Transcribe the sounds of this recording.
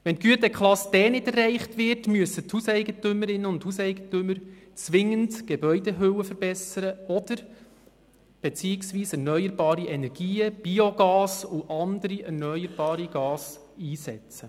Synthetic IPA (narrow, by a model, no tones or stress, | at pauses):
ʋɛntɡ̥yətəkχlɑsd̥ɛːnɪdɛrɛɪχtʋɪɾtmyəsəthusɛɪɡətʏməɾɪnːəʊnthusɛɪɡ̥ətʏmːəɾt͡sʋɪŋːəndɡ̥ɛbœʏdɛɦøwəfəɾb̥ɛsəɾəɔd̥əɾ | b̥et͡siːɪksʋiːsɛɾnœʏəɾbɑːɾiʔɛnɛɾɡ̥iːəb̥ioɡɑːsʊʔɑndəɾiʔɛɾnœʏəɾb̥ɑːɾiɡ̥ɑːs | iːsɛ̰t͡sə